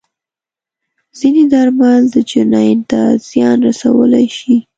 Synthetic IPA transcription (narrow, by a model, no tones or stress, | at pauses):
z̥ined̪ɑɾmald̪əd͡ʒɪnɑjnt̪az̥jɑnɾasawə̰lajʃi